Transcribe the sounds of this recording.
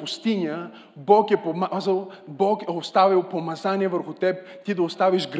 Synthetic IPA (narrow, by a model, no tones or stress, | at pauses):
pʊst̪inʲə | bɔkɛpomzəlˠbɔkɛost̪avʲilˠpomɐzaniɛvəɾxʊt̪ɛp̚ | t̪id̪ɐost̪aviʒɡɾ